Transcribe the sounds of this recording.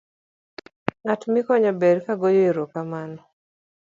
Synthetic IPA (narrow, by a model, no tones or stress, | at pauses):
ŋatmikɔɲabɛɾkaɡɔjɔiɾɔkamanɔ